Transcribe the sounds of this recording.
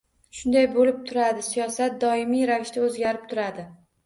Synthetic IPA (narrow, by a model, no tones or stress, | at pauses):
ʃʊnd̪ajbolɪp̚t̪ʰʊɾad̪ɪsijɒsat̪̚d̪ɒɪmijɾakʲʃt̪aɵzɡʲaɾɪp̚t̪ʰʊɾad̪ɪ